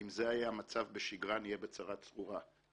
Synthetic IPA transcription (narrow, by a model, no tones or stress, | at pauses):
imzeajamat͡savbeʃiɡʁanijebet͡saʁatt͡sʁuʁa